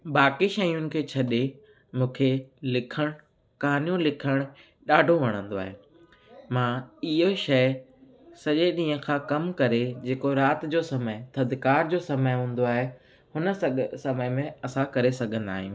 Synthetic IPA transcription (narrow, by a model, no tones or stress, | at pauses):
baːkiʃɐijʊnɪ̆kʰeːt͡ɕʰɐɗe | mũːkʰelɪkʰəɽ̃ʊ | kɐaːnijũlɪkʰəɽ̃ | ɗaːɖʱoʋɐɽ̃ə̃nd̪oa̰ːɦe | mãːɪɦoʃɐɪ | sɐʄeɗĩːɦə̃kʰãːkɐmkɐɾed͡ʑeːkoɾaːt̪d͡ʑoːsɐmət̪ʰɐd̪ʱkaːɾd͡ʑoːsɐməjɦũːn̆d̪oaːɦe | hʊnə̆sɐməjmẽɐsãkɐɾesɐɡʱə̃nd̪a̰ːɦijũː